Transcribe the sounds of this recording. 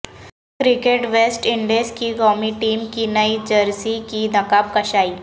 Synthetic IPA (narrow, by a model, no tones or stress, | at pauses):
kɾɪkeʈʋeːsʈɪ̃ɳɖeːskiɡɔːmiʈiːmkinɐid͡ʒɐɾsikid̪ɐkaːp̚kɐʃaːiː